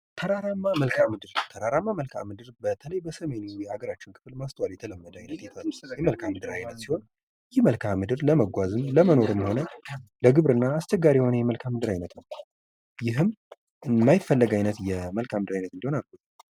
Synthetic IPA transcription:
t̪ʰəɾaɾamːaməlkʰamɨd̪ɨɾwt̪ʰəɾaɾamːaməlkʰa̰mɨd̪ɨɾbət̪ʰələjbəsəme̞nujɛhaɡəɾat͡ʃːɪnkʰɨ̥fɨlmast̪ʰəwaljɛt̪ʰələmːəd̪əajnət̪jɛt̪ʰəjɛməlkʰamːɨd̪ɨɾajnːət̪siho̞n | jɪhməlkʰamɨd̪ɨɾləməɡʷazɨnləməno̞ɾɨmːiho̞nələɡɨβɾɨnːaːst͡ʃɛɡːaɾiho̞nəjɛməlkʰamːɨd̪ɨɾajnət̪nəw | jɪɦɨm | majɪfːəlːəɡajnət̪jɛməlkʰamɨd̪ɨɾajnət̪ɨnd̪iho̞nalbut̪

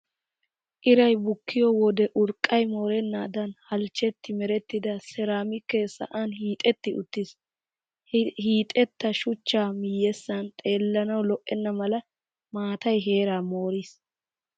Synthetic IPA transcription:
ʔɪɾɐjbʊkːɪjɔwɔd̪ɛʔʊɾkʼːɐjmo̞ːɾɛnːaːd̪ɐnhɐlt͡ʃːɛt̪ːɪmɛɾɛt̪ːɪd̪ɐsɛɾaːmɪkːesɐ̰ʔanhiːt̪ʼɛt̪ːɪʔʊ̰t̪ːis | hiːt̪ʼɛt̪ːɐʃʊt͡ʃːaːmɪjːɛsːɐnt̪ʼe̞ːlːɐnɐwlɔʔːɛnːɐmɐlɐ | maːt̪ɐjɦe̞ːɾaːmo̞ːɾiːs

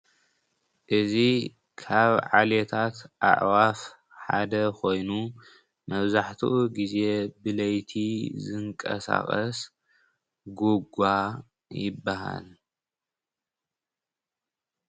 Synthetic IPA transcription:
ʔɨzi | kʰaβʕalet̪ʰat̪ʔa̰ʔwaf | ħad̪ɐkʰo̞jnu | mɐβzaħt̪ʰuʔuɡize̞bɨlɐjt̪ʰizɨŋkʼɐ̰sa̰xʼɐs | ɡuɡa | jɪbːaɦa̰l

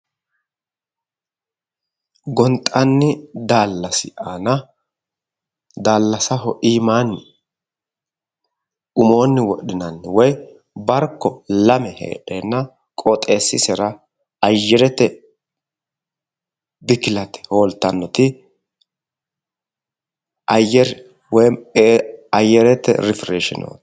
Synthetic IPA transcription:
ɡɔnt̪ʼɐnːɪd̪aːlːɐsɪʔaːnɐ | d̪aːlːɐsɐɦɔʔiːmaːnːɪ | ʔʊmo̞ːnːɪwɔɗɪnɐnːɪwɔj | bɐɾkːɔlɐmɛhḛːᶑeːnːɐ | kʼɔt̪ʼeːsːɪsɛɾɐ | ɐjːɛɾɛt̪ːɛ | bɪkɪlɐt̪ɛ̥hoːlt̪ːɐnːɔt̪ɪ | ʔɐjːɛɾ | wɔj | ɐjːɛɾɛt̪ːɛ̰ɾɪfɾeːʃɪ̰no̰ː

